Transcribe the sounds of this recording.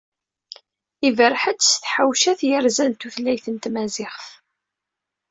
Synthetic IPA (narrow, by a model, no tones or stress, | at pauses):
ivəɾħət͡sːsθħawʃæθjəɾzænt̪uθlæjθənt̪mæzɪχθ